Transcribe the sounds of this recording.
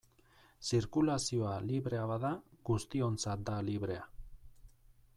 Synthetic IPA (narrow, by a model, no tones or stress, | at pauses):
siɾkulasio̞aliβɾe̞aβaðaɡust̪io̞nt͡sat̪̚d̪aliβɾe̞a